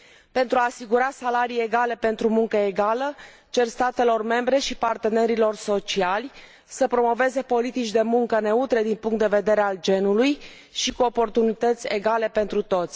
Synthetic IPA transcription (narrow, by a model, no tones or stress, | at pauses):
pe̞nt̪ɾuaːsiɡuɾasalaɾije̞ɡale̞pe̞nt̪ɾumuŋkəeɡalə | t͡ʃe̞rst̪at̪e̞lo̞rme̞mbɾe̞ʃipart̪e̞ne̞ɾilo̞rso̞t͡ʃialʲ | səpɾo̞mo̞ve̞ze̞po̞lit̪it͡ʃʲd̪e̞muŋkəne̞ut̪ɾe̞d̪inpuŋkt̪d̪eve̞d̪eɾeald͡ʒe̞nuluj | ʃikuo̞po̞rt̪unit̪ət̪sʲe̞ɡale̞pe̞nt̪ɾut̪o̞t̪sʲ